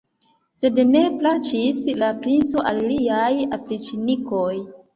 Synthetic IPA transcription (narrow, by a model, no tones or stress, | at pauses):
se̞dne̞plat͡ʃislapɾinso̞ʔalliajafɾit͡ʃinikoj